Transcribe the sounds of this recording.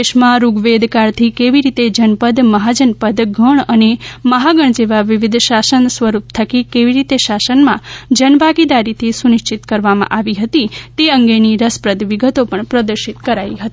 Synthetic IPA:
eʃmãɾuɡʋed̪ʱkaɾt̪ʰikeʋiɾit̪ed͡ʒənpəd̪məɦad͡ʒənpəd̪ɡʱəɳəneməɦaɡəɳ̃d͡ʒeʋaʋɪʋɪd̪ʱʃasənsʋəɾup̚t̪ʰəkikeʋiɾit̪eʃasənmã̰d͡ʒənbʱaɡid̪aɾit̪ʰisunɪʃt͡ʃɪt̪kəɾʋamã̰ʔaʋiɦət̪it̪eəŋɡeniɾəspɾəd̪ʋɪɡət̪opəɳpɾəd̪əɾʃit̪kəɾaiɦət̪i

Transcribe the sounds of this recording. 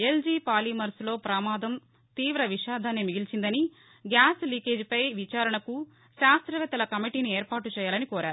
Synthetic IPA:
e̞ld͡ʒiːpaːliːmɐɾslo̞ːpɾɐmaːd̪ʱɐm | t̪iːʋɾɐʋiʃaːd̪ʱaːneːmiɡilt͡ʃind̪ɐni | ɡjaːsliːkeːd͡ʒpɐjʋit͡ʃaːɾɐɳɐku | ʃaːst̪ɾɐʋɛt̪ːɐlɐkɐmiʈiːnieːɾpaːʈut͡ʃɛːjaːlɐnikoːɾʔaːɾu

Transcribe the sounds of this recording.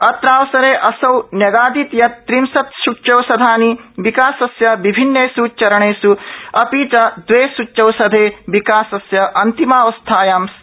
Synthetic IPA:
ɐt̪ɾaːwsɐɾeːʔɐsɐwnjɐɡaːd̪it̪jɐt̪ːɾimsɐt̪ʃuʈt͡ʃɐwsɐd̪ʱaːniʋikaːsɐsjɐʋibʱinːeːsut͡ʃɐɾɐɳeːsuɐpiːt͡ʃɐd̪ʋeːsuɐwsɐd̪ʱeːʋikaːsɐsjɐʔɐnt̪imaːʋɐst̪ʰaːjaːms

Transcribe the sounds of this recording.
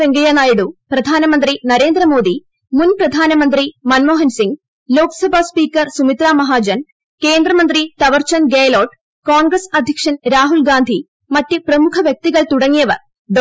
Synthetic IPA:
eŋɡɐjanaːjiɽuprɐd̪ʱaːnɐmɐnd̪rinɐɾe̞ːnd̪rɐmo̞ːd̪i | munprɐd̪ʱaːnɐmɐnd̪rimɐnmoːɦɐnsiŋɡ | lo̞ːkɐ̥sɐbʱaːspiːkːɐrsumit̪raːmɐɦaːd͡ʑɐn | ke̞ːnd̪rɐmɐnd̪rit̪ɐʋɐrt͡ɕɐnɡeːlo̞ːʈ | koːɳɡɾɐsɐd̪ʱjɐkʂɐnɾaːɦulɡaːnd̪ʱi | mɐtːɨprɐmukʰɐʋjɐk̚t̪iɣɐɭt̪uɽɐŋːijɐʋɐ̰r | ɖ

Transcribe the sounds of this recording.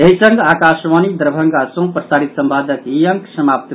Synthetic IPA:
eɦisə̃ŋɡakasʋanid̪əɾbʱəŋɡasɐ̃ɦũpɾəsaːɾit̪səmpad̪əkijəŋksəmap̚t̪

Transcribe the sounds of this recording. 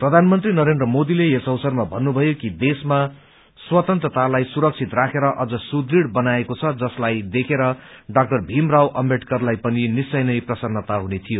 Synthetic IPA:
prʌd̪ʱanmʌnt̪rinʌɾendrʌmod̪ileesʌwsʌrmabʱʌnːubʱʌjokid̪esma | swʌt̪ʌnt̪rʌt̪alajsuɾʌk̚t͡sʰit̪rakʰeɾʌʔʌd͡zʌsud̪riɽbʌnaekot͡sʰʌd͡zʌslajd̪ekʰeɾʌɖak̚ʈʌrbʱimrawʔʌmbʱeʈkʌrlajpʌninisʌjnʌjprʌsʌnːʌt̪aɦunet̪ʰijo

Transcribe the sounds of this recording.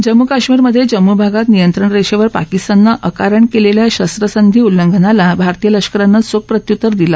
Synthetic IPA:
d͡ʑəmːukaɕmiɾməd̪ʱːjed͡ʑəmːubʱaɡat̪nijənt̪ɾəɳɾeɕeʋəɾpa̰kist̪anːaʔəkaɾəɳkeleljaɕəst̪ɾəsənd̪ʱiːulːəŋɡʱənalabʱaɾt̪ijələɕkəɾanːasok̚pɾət̪jut̪ːəɾd̪ila

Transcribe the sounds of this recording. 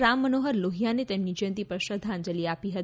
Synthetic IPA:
ɾamːənoɦəɾloɦijanet̪emnid͡ʒə̃nt̪ipəʃəd̪ʱand͡ʒəliapiɦət̪

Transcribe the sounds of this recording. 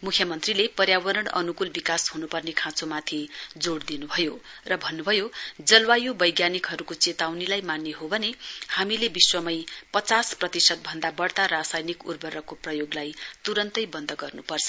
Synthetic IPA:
mukʰjʌmʌnt̪rilepʌrjawʌɾʌɽ̃ʌ̰nukulbikashunupʌrnekʰãt͡somat̪ʰid͡zoɽd̪inubʱʌjorʌbʱʌnːubʱʌjod͡zʌlwajobʌjɡjanikɦʌɾukot͡set̪awnilajmanːeɦobʱʌnehamilebiswʌmʌjpʌt͡sasprʌt̪isʌt̪̚bʱʌnd̪abʌɽt̪aɾasajnikurbʱʌɾʌkoprʌjoɡlajt̪uɾʌnt̪ʌjbʌnd̪ʱʌɡʌrnupʌrt͡sʰʌ

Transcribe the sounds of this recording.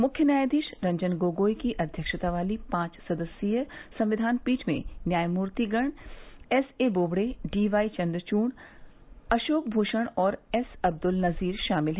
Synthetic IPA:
mʊkʰjənjaːjd̪iːʃɾɐ̃ɲd͡ʒənɡoːɡoːikiʔɐd̪ʱjəkʃət̪aʋaːlipãːt͡ʃsɐd̪əsjijəsɐ̃mʋɪd̪ʱaːnpiːt͡ʃmḛ̃njaːjmuːɾt̪iɡəɳ̃ɛseːboːbɽeɖiːʋaːit͡ʃɐ̃nd̪ɾət͡ʃuːɳ | ɐʃoːk̚bʱuːʃəɽ̃ɔːɾɛsɐb̚d̪ʊlnɐziːɾʃaːmɪlɦɛː

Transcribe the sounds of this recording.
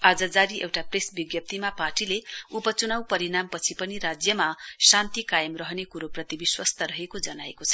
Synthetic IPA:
ad͡zʌd͡zaɾiʔewʈapresbiɡjʌp̚t̪imaparʈileupʌt͡sunawpʌɾinampʌt͡sʰipʌniɾad͡zjʌmasant̪ikajʌmrʌɦʌnekuɾoprʌt̪ibiswʌst̪ʌɾʌɦekod͡zʌnaekot͡sʰʌ

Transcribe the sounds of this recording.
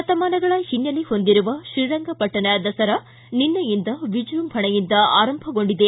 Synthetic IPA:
ɐt̪ɐmaːnɐɡɐɭɐhinjɐliho̞nd̪iɾuʋɐʃiɾɐŋɡɐpɐʈːɐnɐd̪ɐsɐɾɐ | ninːɐjind̪ɐʋid͡ʒɾumbʱɐɳɐjind̪ɐaːɾɐmbʱɐɡo̞ɳɖid̪e

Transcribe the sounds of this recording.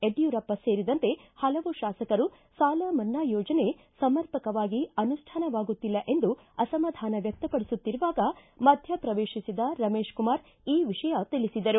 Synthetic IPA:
e̞ɖjuɾɐpːɐse̞ːɾid̪ɐnt̪e̞hɐlɐʋuʃaːsɐkɐɾu | saːlɐmɐnːaːjoːd͡ʒɐne̞ | sɐmɐɾpɐkɐʋaːɡiɐnuʂʈʰaːnɐʋaːɡut̪ːilːɐʔe̞nd̪u | ɐsɐmɐd̪ʱaːnɐʋjɐk̚t̪ɐpɐɽisut̪ːiɾuʋaːɡɐ | mɐd̪ʱjɐpɾɐʋeːʃisid̪ɐɾɐmeːʃkumaːɾ | iːʋiʂɐjɐt̪ilisid̪ɐɾu

